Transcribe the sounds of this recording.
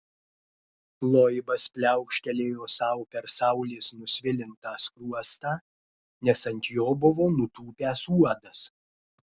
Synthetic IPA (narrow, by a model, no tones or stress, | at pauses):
lˠoːjbɐspʲlʲæˑʊkʃʲkʲɛlʲeːjoːsɐˑʊpʲɛɾsɑˑʊlʲeːsnʊsʲʋʲɪlʲɪnt̪ɑːskɾuɔst̪ɑː | nʲɛsɐnʲt̪ʲjoːbʊʋoːnʊt̪uːpʲæːsuɔd̪ɐs